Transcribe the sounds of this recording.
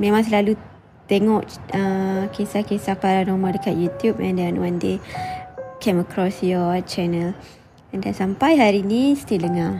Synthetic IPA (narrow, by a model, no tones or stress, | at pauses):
mẽmãŋs̬əlalu | t̪ɛŋɔʔəkesakesahpaɾanɔmədəkat̪̚jut̪jupɛ̃ndanwande | kʰẽməkɾɔsjɔt͡ʃɛnəl | ɛ̃ndansampajɦaɾinist̪iləŋa